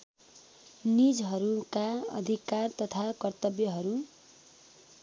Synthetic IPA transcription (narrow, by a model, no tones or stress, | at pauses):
nid͡zɦʌɾukaʌ̰d̪ʱikart̪ʌt̪ʰakʌrt̪ʌbjʌɦʌɾu